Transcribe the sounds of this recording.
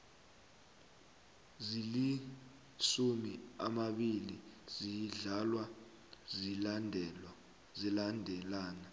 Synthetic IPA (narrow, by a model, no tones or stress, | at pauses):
zili | ʃumiamaɓilizijɮalwa | zilandʱɛ | zilandʱɛlaːna